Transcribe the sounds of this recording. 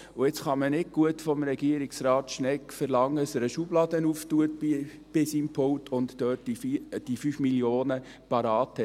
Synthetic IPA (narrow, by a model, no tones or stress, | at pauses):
ʊɪt͡sχɑmənɪɡ̚ɡ̥uətfɔmɾɛɡiəɾiksɾɑːt̪ʃnɛkfəɾlɑŋːəəsəɾəʃublɑdənuftuət̚i | b̥ɪsimpʰɔwtʰʊnt̪tøːtid̥ifyfmiljoːnə | pɑɾɑːthɛ